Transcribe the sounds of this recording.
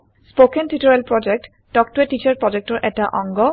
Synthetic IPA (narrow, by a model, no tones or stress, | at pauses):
spokentitɔɹelpɹɔd͡ʒek̚ʈ | dɔk̚tueʈit͡ʃaɹpɹɔd͡ʒek̚ʈɔɹʔɛtaʔɔŋɡɔ